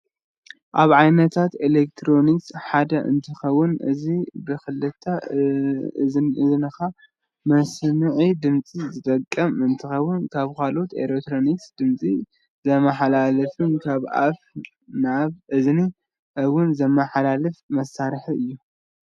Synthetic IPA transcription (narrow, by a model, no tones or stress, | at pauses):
ʔaβʕajnɐt̪ʰat̪elek̚t̪ʰɾo̞niksħad̪ɐʔɨ̰nt̪ʰɨxɐwːʊnɨ̰zibɨxɨlɨt̪ʰːa | ɨznɨxa | mɐsmɨʕid̪ɨmt͡sʼizɨt̪ʼɐkʼːɐmɨnt̪ʰɨxɐwːʊnkʰaβkʰalo̞t̪ḛlekt̪ɾo̞niksd̪̥ɨmt͡sʼi | zɐmɐħalalɐfunkʰaβʔa̰f | naβʔɨzni | ʔɐwʊnzɐmːɐħalalɐfmɐsːaɾħiʔɨjːu